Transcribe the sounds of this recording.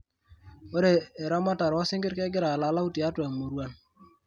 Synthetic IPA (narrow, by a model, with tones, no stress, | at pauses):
o˦ɾeː˨ɾɔ˦ma˦ta˨ɾɔ˨˦sɪ˦ŋɡɪ˦ɾkɛ˦ɡɪ˦ɾa˨la˨˦la˦u˦ti˨a˦ta˨ŋmo˨ɾwa˦n